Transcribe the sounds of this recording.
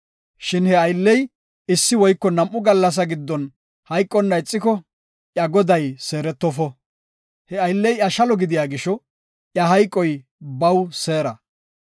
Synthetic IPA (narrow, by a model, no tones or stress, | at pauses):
ʃɪnhɛɐjlːɛj | ɪsːɪwɔjkːɔnɐmʔːʊɡɐlːɐs̬ɐɡɪd̪ːɔn | hɐjkʼːɔnːɐɪt͡sʼːɪkɔ | ʔjɐɡɔd̪ɐjse̞ːɾɛt̪ːɔfɔ | hɛɐjlːɛjʔɐʃɐlɔɡɪd̪ɪjaːɡɪʃɔ | ʔjɐɦɐjkʼːɔj | bɐwseːɾɐ